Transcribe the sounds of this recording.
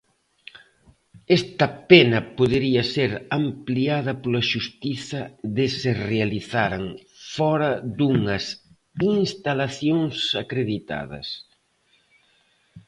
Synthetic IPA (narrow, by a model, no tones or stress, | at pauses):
ɛst̪ɐpenɐpoðeɾiɐseɾɐmpliaðɐpolɐʃust̪iθɐðɪserealiθaɾaŋ | fɔɾɐd̪uŋɐs | inst̪alaθjoŋsɐkɾeðit̪a̰ðɐ̰s